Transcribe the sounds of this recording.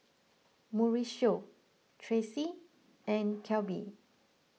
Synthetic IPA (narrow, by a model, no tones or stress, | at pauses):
muɹiʃo | tʰɹesi | ɛ̃nkʰɛlbḭ